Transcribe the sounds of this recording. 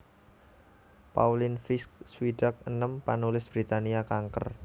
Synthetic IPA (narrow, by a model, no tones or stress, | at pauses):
pa̰ulɪnfɪskswiɖ̥ak̚ənəmpanulɪsb̥ɾit̪aniakaŋkə̰r